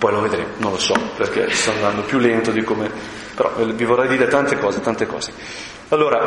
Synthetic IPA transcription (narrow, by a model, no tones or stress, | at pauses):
pɔjloved̪ɾeːmonõnlosɔperkḛst̪ɔand̪and̪opjulːent̪od̪ikome | peɾɔ̰vivorːɛjd̪iːɾet̪ant̪ekɔːzet̪ant̪ekɔ̰ːz̥e | alːoːɾa